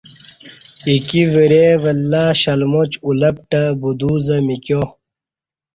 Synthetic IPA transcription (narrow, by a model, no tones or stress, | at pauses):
ikiveɾeʋɐlːaːɕɐlmot͡ɕulɐp̚ʈɐbud̪uːzɐmikjo